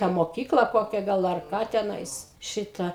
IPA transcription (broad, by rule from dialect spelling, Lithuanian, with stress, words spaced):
tɑː moːˈkʲiːklˠɐ ˈkoːkʲɛ ˈɡɐlˠ ɐr ˈkɑː tʲɛˈnɐɪs ˈʃʲɪtɐ